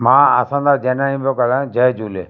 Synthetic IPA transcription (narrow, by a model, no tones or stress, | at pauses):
mãːəsãːnd̪aːd͡ʒɛːnãːĩbjokəlãːd͡ʒɛːd͡ʒuːle